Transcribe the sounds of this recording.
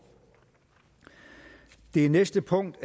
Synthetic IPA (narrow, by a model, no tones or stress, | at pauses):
d̥e̝ænesd̥əpʰɔ̽ŋ̰d̥